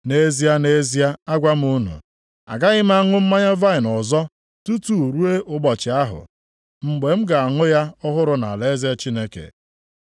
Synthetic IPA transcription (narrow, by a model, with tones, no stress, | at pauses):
ne˦zi˦a˦ne˦zi˦a˦a˦ɡʷa˦m̩˦u˦nṵ˨ | a̰˨ɡa˦ɣɪ˦m̩˦a˦ŋʊ˦m̩˦ma˦ɲa˦va˦ɪ˨nɔ˨zɔ˦ | tu˦tu˦˨ɾu˦e˦ʔʊ˦ɡ͡bɔ˨t͡ʃɪ˨a˦ɦʊ̰˨ | ŋ͡m̩˦ɡ͡be˨m̩˦ɡa˨a˨ŋʊ˦ja˦ɔ˦ɦʊ˦ɾʊ˦na̰˨le˦ze˦t͡ʃi˦ne˦kḛ˨